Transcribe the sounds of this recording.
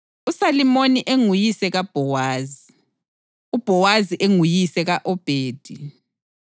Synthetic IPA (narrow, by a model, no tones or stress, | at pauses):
usalimoniʔeŋujisɛɣab̥ʱɔwaːzi | ub̥ʱɔwaziʔeŋujisɛɣaʔɔb̥ʱeːd̥ʱi